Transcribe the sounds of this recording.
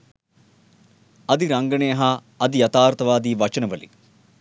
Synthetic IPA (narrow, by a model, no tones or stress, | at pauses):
ɐd̪iɾɐŋɡɐɳejɐɦɐː | d̪ijɐt̪aːɾt̪ɐʋaːd̪iːʋɐt͡ʃɐnɐʋəlḭ